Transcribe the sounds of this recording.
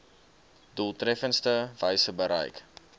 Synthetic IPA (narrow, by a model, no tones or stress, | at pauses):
dulˠtrɛfənstəvəjsəbəɾə̰jk